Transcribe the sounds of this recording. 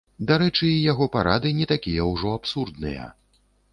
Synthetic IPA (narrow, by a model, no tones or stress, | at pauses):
d̪aɾɛt͡ʂɨːjaɣɔpaɾad̪ɨnʲɛt̪akʲijɐwʐɔapsurd̪nɨ̰jɐ̰